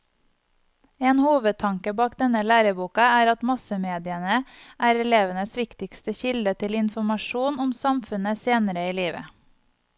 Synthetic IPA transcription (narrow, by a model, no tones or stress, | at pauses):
eːnhuːʋət̪ʰɑŋkəbɑːkd̪ɛnəlæːɾəbuːkɑæːɾɑt̪mɑsəmeːd̪ɪənəʔæːɾɛleːʋənəsʋɪkt̪ɪkst̪əçɪld̪ət̪ʰɪlɪnfɔmɑʃuːnʊmsɑmfʉnəseːnəɾəiːliːʋə̰